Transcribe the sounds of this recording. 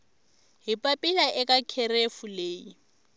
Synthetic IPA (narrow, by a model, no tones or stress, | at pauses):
ɦipʼapʼɪlaʔɪkʼakʰɛɾefuleːi